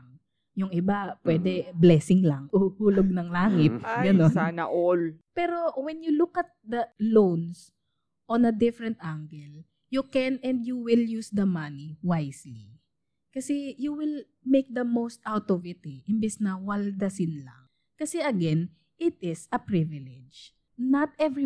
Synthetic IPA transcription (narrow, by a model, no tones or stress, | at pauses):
ŋ | jʊŋʔɪbapwɛːd̪ɛblɛːsɪŋlɐŋʔuhuːloɡ̚nɐŋlaːŋɪt̪̚ɡɐnonnɐ̰ʔolpɛɾo̞wɛnjulukɐt̪̚d̪ɐlowns | ʔõnɐd̪ɪfɹɛ̃nt̪ʔaŋɡɛl | jukɛnɛ̃nd̪juwɪljusd̪ɐmɐniwajsli | kɐsɛjuwɪl | mejk̚d̪ɐmowst̪ʔawt̪ɔvɪt̪ɛʔɪmbɛsnɐwɐld̪ɐsɪnlɐ̰ŋ | kɐsɛɐɡɛn | ɪt̪̚ɪsɐpɹɪvɪlɛd͡ʒ | nɐt̪̚ɛvɹi